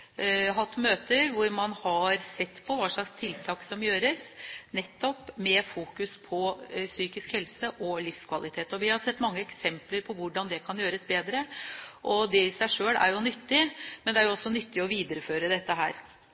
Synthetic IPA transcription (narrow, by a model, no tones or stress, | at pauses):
ɦɑt̪ːmøːt̪əɾʋʊɾmɑnhɑɾsɛt̪ːpʰɔʋɑːʂɭɑkst̪ʰɪlt̪ʰɑːksɔmjøːɾəsnɛt̪ːɔpmɛfuːkʉspʰɔsyːkɪskhɛlsəʔɔlɪfskʰʋɑlɪt̪ʰeːt̪ɔʋɪhɑɾsɛt̪ːmɑŋːəɛksɛmpləɾpʰɔʋʊɖɑnd̪ɛkʰɑnjøːɾəsbeːd̪ɾəʔɔd̪ɛɪsæɪʂøːlæ̰ɾjʊnʏt̪ːɪmɛnd̪ɛæɾjʊɔsːɔnʏt̪ːɪɔʋiːd̪əɾəføːɾəd̪ɛt̪ːəɦæ̰ːɾ